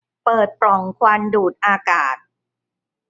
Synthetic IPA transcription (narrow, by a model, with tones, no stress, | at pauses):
pɤː˨˩t̪̚pɾɔ˨˩ŋkʰwaː˧nduː˨˩t̪̚ʔaː˧kaː˨˩t̪̚